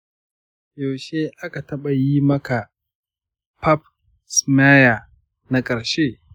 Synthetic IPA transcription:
jo˨ʃe˦ʔa˦ka˨tɐ˦ɓa˨jiː˦mɐ˦ka˨ | pɐ˦p̚ | sma˦ja˨ | na˨˦kʼɐ˨ɾʃe˦

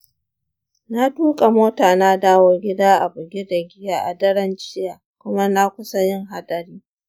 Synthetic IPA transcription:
na˦tuː˦kʼa˨moː˦taː˨naː˦daː˦wɔ˦rɡʲɪ˦daː˦ʔa˨bʊ˨ɡʲi˦da˨ɡʲɪ˦jaː˦ʔa˨dɐ˦ɽɐ˦nt͡ʃɪ˦jaː˨kʷʊ˦ma˦na˦kʷʊ˦sa˦jɪ˦ŋɦa˦dɐ˨ɾiː˦

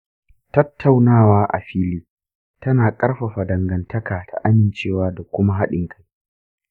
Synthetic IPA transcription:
tɐ˦tʰːa˨wnaː˦waː˦ʔa̰˨ɸiː˦liː˦ | tɐ˦naː˨kʼɐ˦rɸa˨ɸa˨dɐ˨ŋɡɐ˨ntʰɐ˦kaː˨tʰa̰˨ʔa˦mɪ˨nt͡ʃeː˦˨waː˦da˨kʷʊ˦ma˦ɦa˦ɗɪ˨ŋkʰa˦j

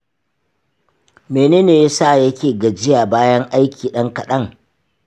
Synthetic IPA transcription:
meː˨neː˦neː˨ja˦saː˦˨jɐ˦kʲeː˨ɡɐ˨d͡ʒɪ˦jaː˨baː˦jɐ˦ŋʔa˦jkʲiː˨ɗɐ˦ŋkɐ˨ɗɐ˦ŋ

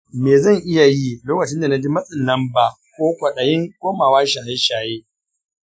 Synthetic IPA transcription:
meː˨zɐ˦˨ŋʔɪ˦ja˨ji˦loː˦kɐ˨t͡ʃɪ˦nda˨na˦d͡ʒi˦mɐ˦sʼɪ˨nlɐ˦mbaː˨ | kʷoː˦kʷɐ˨ɗɐ˨jɪ˦ŋkʷoː˦maː˨waː˦ʃa˨ha˦jʃaː˨jeː˦

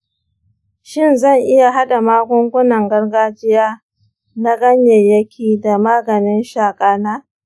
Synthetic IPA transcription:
ʃɪ˦nzɐ˦˨ŋʔɪ˦ja˨ɦa˦ɗa˨maː˦ɡʷʊ˦ŋɡʷʊ˦nɐ˨ŋɡɐ˦rɡaː˦d͡ʒɪ˦jaː˦ | na˦ɡɐ˦ɲje˨jɐ˦kʲʰiː˨da˨maː˦ɡɐ˨nɪ˦nʃaː˨kʼaː˦naː˦

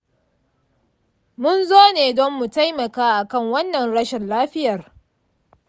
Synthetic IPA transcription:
mʊ˦nzoː˦neː˨dɔ˦mːu˨ta˦jmɐ˨kaː˦ʔa˨kɐ˦˨ŋwɐ˦nːɐ˨nɽɐ˦ʃɛ˨nlaː˦ɸɪ˦jɐ˨r

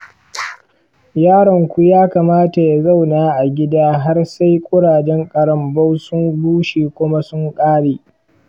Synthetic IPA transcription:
jaː˦ɽɐ˨ŋkʷu˦jaː˦kaː˨maː˦ta˨ja˨za˦˨wnaː˦ʔa˨ɡʲɪ˦daː˦ɦa˦rsa˦jkʷʼʊ˦ɽaː˨d͡ʒɛ˦ŋkʼɐ˨ɽɐ˦mbɐ˦wsʊ˦mbuː˦ʃiː˨kʷʊ˦ma˦sʊ˦ŋkʼaː˦ɽeː˨

